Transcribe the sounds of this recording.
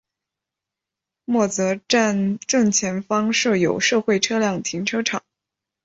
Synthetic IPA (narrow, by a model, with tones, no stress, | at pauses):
mwɔ˥˩t͡sɤ˧˥ʈ͡ʂa˥˧nʈ͡ʂɤ˥˩ŋt͡ɕʰjɛ˧˥nfɑ˥ŋʂɤ˥˩jo˨˩ʊʂɤ˥˧xwe˥˩ɪʈ͡ʂʰɤ˥ljɑ˥˩ŋt̪ʰi˧˥ŋʈ͡ʂʰɤ˥ʈ͡ʂʰɑ˨˩˦